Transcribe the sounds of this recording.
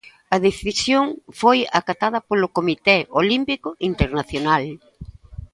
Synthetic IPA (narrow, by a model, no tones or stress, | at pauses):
ɐðeθisjoŋfojakat̪að̞ɐpolʊkomit̪ɛolimpikʊʔint̪eɾnaθjonal